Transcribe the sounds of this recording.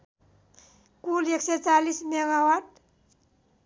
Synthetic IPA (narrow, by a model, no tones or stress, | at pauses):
kulekset͡ʃalismeɡawaɖ